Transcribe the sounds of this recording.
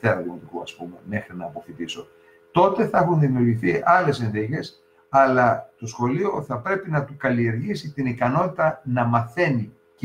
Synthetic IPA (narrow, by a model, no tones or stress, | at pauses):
eɾɐðimot̪ikuɐspume̞me̞xɾinɐːpo̞fit̪iso̞ | t̪o̞t̪e̞θɐexunðimiuɾʝiθiɐle̞senðice̞s | ɐlɐt̪o̞sxo̞lio̞θɐpɾe̞pinɐt̪ukɐlie̞ɾʝisit̪inikɐno̞t̪it̪ɐnɐmɐθe̞ni | c